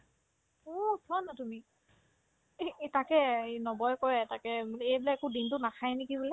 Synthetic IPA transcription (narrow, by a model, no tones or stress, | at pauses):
osʰɔnatumi | takɛnɔbɔjkɔjɛtakɛejblɛɛkʊdintʊnakʰajnekibulɛ